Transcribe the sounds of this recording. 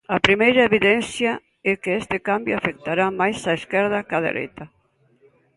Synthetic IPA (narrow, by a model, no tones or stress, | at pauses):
ɐpɾimejɾɐeβiðɛnθja | ɛkɪɛst̪ɪkambjoafek̚t̪aɾamajsaeskɛɾð̞ɐkaðḛɾʔḛjt̪ɐ